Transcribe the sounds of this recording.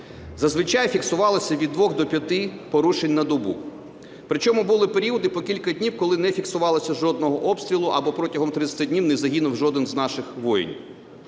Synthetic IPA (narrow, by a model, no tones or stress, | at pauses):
zɐzʋɪt͡ʃɑjfʲiksʊʋɑlˠɔsʲɐʋʲid̪ːʋɔɣd̪ɔpʲjɐt̪ɪpɔɾuʃenʲnɐd̪ɔbṵ | pɾɪt͡ʃɔmʊbʊlˠɪpeɾʲiwɔd̪ɪpɔkʲilʲkɐdʲnʲiwkɔlˠɪnɛfʲiksʊʋɑlˠɔsʲɐʒɔd̪nɔɦɔʔɔpst̪ɾʲilˠʊʔɐbɔpɾɔtʲɐɦɔmt̪ɾɪt͡s̪sʲɐ̥t̪ɪdʲnʲiwnɛzɐɦinʊwʒɔd̪ɪnznɑʃɪxʋɔjɪ̰nʲ